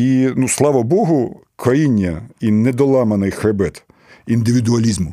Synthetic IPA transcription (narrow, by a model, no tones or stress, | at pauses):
inuslˠɑʋɐbɔɦʊ | kɾɐjinʲːɐinɛd̪ɔlˠɑmɐnɪjxɾɐbɛt̪ | ind̪ɪʋʲid̪ʊɐlʲizmʊ